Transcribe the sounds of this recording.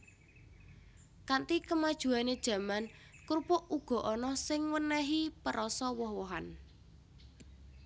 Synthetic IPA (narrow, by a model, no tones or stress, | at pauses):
kant̪ikəmad̥ʒ̥ṳaned̥ʒ̥ä̤man | kuɾpʊʔʔuɡ̥ɔ̤ʔɔnɔsɪŋwənɛɦipəɾɔsɔwɔhwɔɦan